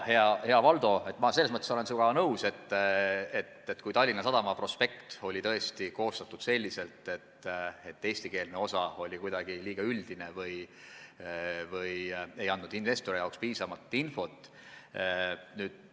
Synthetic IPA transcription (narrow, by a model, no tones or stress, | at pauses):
he̞ɑhe̞ɑvɑld̪o̞e̞t̪ːˑmɑselːesmɤt̪ːˑeso̞le̞nsuɡ̥ɑnɤwse̞t̪ːˑet̪ːet̪ːkujt̪ɑlʲːinɑsɑd̪ɑmɑpro̞spe̞kt̪o̞lʲit̪ɤ̞e̞st̪iko̞ːst̪ɑt̪ːˑud̪se̞lʲːise̞lt̪ːˑe̞t̪e̞t̪ːe̞ːsʲt̪ike̞ːlneo̞sɑo̞lʲikujd̪̥ɑɡ̥iliːɡ̥ɑyld̪̥ine̞vɯj | vɯje̞jɑnd̪nud̪inve̞st̪oɾijɑokspiːsɑmɑt̪ːˑinfo̞t̪ːˑ | nyːd̪̥̚